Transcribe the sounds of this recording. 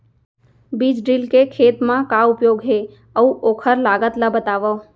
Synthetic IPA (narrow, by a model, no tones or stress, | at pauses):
bid͡ʒɖilkekʰeːt̪mãkaʊpjoɡɦe | əũʔokʰəɾlaɡət̪ləbət̪aʋə